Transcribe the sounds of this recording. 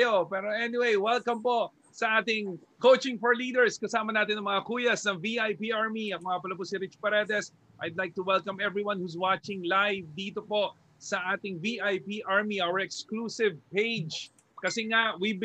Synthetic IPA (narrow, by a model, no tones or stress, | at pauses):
jopɛːɾoʔɛnɪwejwɛlkɐmpo̞ | sɐʔaːt̪ɪŋkowt͡ʃɪŋfɔɹliːd̪ɛɹskɐsaːmɐnaːt̪ɪnɐŋmɐŋakuːjɐsnɐŋviʔajpiʔaɹmiɐŋɐapɐlɐpʊsɪɾɪt͡ʃpɛɾɛd̪ɛs | ʔajd̪lajk̚t̪ʊwɛlkɐmɛvɹiwanhus̬wat͡ʃɪŋlajvd̪iːt̪opo̞ʔ | sɐʔaːt̪ɪŋviʔajpiʔaɹmiʔawəɹɛkskluːsɪvpejd͡ʒ | kɐsɛŋawib